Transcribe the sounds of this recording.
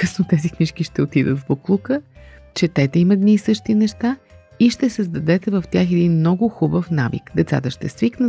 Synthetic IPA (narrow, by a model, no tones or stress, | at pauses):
kɤsnot̪ɛzixmiʃkiʃt̪ɛot̪id̪ə̰t̪vboklˠukə | t͡ʃɛt̪ɛt̪ɛimɐd̪niːsɤʃt̪inɛʃt̪a | iʃt̪ɛsəzd̪ɐd̪ɛt̪ɛvəft̪ʲjaxɛd̪inmnɔɡʊxubəfnavḭkd̪ɛt̪sa̰t̪əʃt̪ɛsviknə